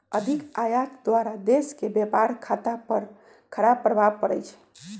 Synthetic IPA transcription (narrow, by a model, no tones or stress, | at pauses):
əd̪ʱikajat̪d̪waɾad̪eskebjepaɾkʰat̪apəɾ | kʰəɾab̚pɾəbʱab̚kəɾɛjt͡ʃʰɛ̥